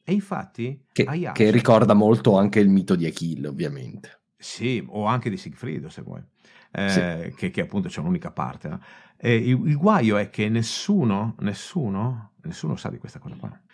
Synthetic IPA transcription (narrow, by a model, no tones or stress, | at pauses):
eiɱfa̰t̪ːikeaja̰kerːikɔrd̪amolt̪oaŋkeilmiːt̪od̪iekilo̰vːjamḛnt̪e̥ | sioaŋk̟ed̪isiɡfɾḭːd̪osḛvːɔ̰j | ɛkʰekːeapːunt̪ot͡ʃɛunuːnikapa̰rt̪enɔ̰ | ɛiilɡwajoɛk̟ːenːesuːnonesːuːnonesːuːnosa̰d̪ikwest̪akɔːzakwa̰